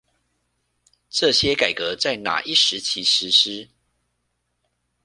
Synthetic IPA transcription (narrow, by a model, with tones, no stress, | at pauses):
ʈ͡ʂɤ˥˨ɕjɛ˦ka˨˩ɪkɤ˨˦t͡sa˥˩ɪna̰˨˩ʔi˥˩ʂɻ̩˨˦t͡ɕʰi˧˥ʂɻ̩˧˥ʂɻ̩˥